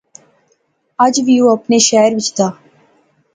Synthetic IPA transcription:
ɐd͡ʒʋijuɐpneʃaːəɾʋɪt͡ʃʰd̪aː

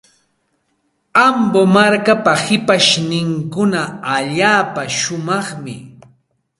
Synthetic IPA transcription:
ambomaɾkapahɪpaʃnɪŋkʊnaaʎaːpaʃʊmɑχmɪ̰

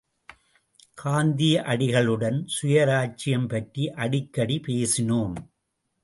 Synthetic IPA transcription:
kʰaːnd̪ijɐʔɐɽɪɣɐɭɯɽɐnsʊjɐɾaːt͡ʃɪjɐmpɐʈriʔɐɽɪkːɐɽipeːsɪnoːm

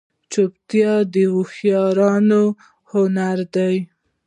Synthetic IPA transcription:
t͡ʃopt̪jɑd̪əuxjɑɾɑno | hʊnaɾd̪aj

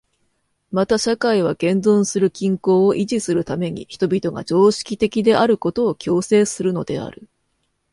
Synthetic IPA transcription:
mat̪aɕakaiβ̞aɡẽ̞ndõ̞ɰ̃sɨɾɯ̟kʲĩŋko̞ːʔiʑisɨɾɯ̟t̪ame̞ɲ̟ḭçi̥t̪o̞bʲit̪o̞ɡa̰d͡ʑo̞ːɕi̥kʲit̪e̞kʲid̪e̞ʔaɾɯ̟ko̞t̪o̞ːkʲo̞ːse̞ːsɨɾɯ̟no̞̰d̪̥e̞̰a̰ɾɯ̟

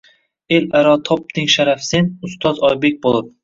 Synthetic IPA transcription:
elaɾɒt̪ʰɒp̚t̪ʰɪŋʃaɾafsenʊst̪ʰɒzɒjbe̞k̚ʲbolˠɪp̚

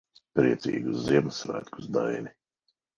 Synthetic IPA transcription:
pɾiɛt̪sḭːɡusziɛmsɾa̰ːt̪kusd̪a̰jni

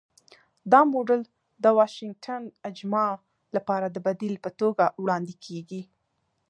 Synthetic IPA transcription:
d̪ɑmoɖəl | d̪əwɑʃɪŋɡ̚ʈʰanad͡ʒmɑ | lapɑɾad̪əbad̪ilpət̪oɡawɽɑnd̪ikʰeɡi

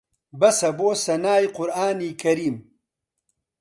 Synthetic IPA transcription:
bɐsɐboːsɐnaːjqʊɾaːniːkɐɾiːm

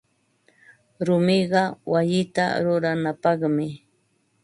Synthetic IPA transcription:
ɾʊmɪɢɑwajɪt̪a̰ɾʊɾanapɑχmɪ

